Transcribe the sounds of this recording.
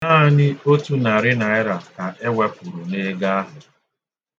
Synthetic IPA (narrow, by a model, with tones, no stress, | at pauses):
na˦ɲɪ˦o˦tu˦na˨ɾɪ˦na˨ɪ˦ɾa˨ka˨ʔe˦wʷa˦pu˨ɾu˨ne˦ɡa˦a˦ɦʊ˨